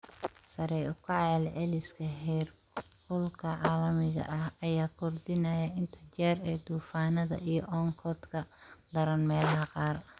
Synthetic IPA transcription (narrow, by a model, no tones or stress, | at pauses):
sɐɾɛjʊkʰɐʕɛːlʕɛlɪskʰɐɦɛːr | kʊlkʰɐʕɑːlɐmɪɣɐ̰ʔɐhɐjaːkʰʊrd̪ɪnɐjɐɪnt̪ʰɐt͡ʃɛːɾɛːd̪uːfaːnɐðɐ̰ʔijɞʔɔŋkʰɔd̪kʰɐd̪ɐɾɐnmɛːlɐɦɐqɑːr